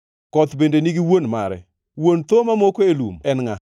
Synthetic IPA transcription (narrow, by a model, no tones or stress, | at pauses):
kɔt̪bendeniɡiwonmaɾɛ̰ | wont̪omamokoelṵmɛnŋa